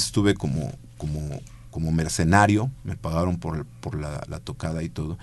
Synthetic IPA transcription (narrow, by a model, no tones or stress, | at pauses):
st̪uβe̞komo̰ | komo | komo̞meɾsenaɾjo̞me̞paɣaɾo̞mpoɾpoɾla̰la̰t̪o̞kaðait̪o̞ðo